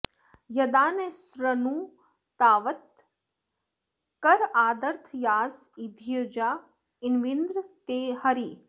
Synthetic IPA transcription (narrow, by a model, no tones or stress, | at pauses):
jɐd̪aːnesɾənuː | t̪aːʋət̪̚ | kɐɾaːd̪ɐɾt̪ʰjaːsid̪ʱjəd͡ʒaː | inʋind̪ɾt̪eːhɐɾiː